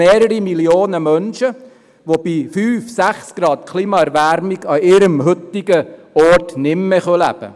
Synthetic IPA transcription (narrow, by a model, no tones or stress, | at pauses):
eːɾəɾimiljoːnəmœnʃə | ʋob̥ifyːfsæχsɡ̥ɾɑːt̪kʰliːmɑɛɾʋæɾmɪɡɑɪɾəmhɵt̪ɪɡə | ɔɾtnɪmːeχœlæ̰b̥ə̰